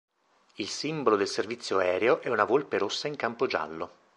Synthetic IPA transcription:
ilsimbolod̪elservit̪sːjoɛːɾeoʔɛunavolpeɾosːaiŋkampod͡ʒa̰lːo

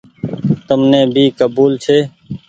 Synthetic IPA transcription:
t̪əmnẽːbʱiːkəbuːlt͡ʃʰeː

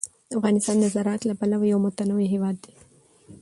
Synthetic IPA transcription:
əafɣɑnɪst̪ɑnd̪əzaɾɑat̪lapalawajawmʊt̪anawiɦewɑd̪ːe

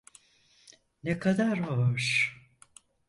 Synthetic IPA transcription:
nekʰad̪aɾɦoʃ

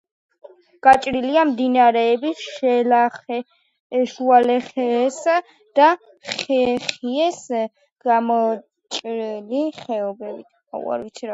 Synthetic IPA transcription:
ɡ̥at͡ʃʼɾiliamd̪inaɾɛːbisɛla | ʃualɛχɛs | d̪̥a | χɛχiɛs | ɡ̥amɔ | t͡ʃʼɾiliχɛɔbɛbit̪ʰ | a̰ṵa̰ɾvit̪sʰiɾa

